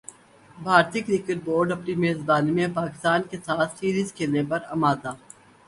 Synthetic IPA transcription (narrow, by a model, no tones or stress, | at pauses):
bʱaːɾt̪iːkɾiːkeʈ̚boːɾɖɐpnimeːzbaːnimẽpaːkɪst̪aːnkesaːt̪ʰsiːɾiːzkʰeːlnepɐɾɐmaːd̪aː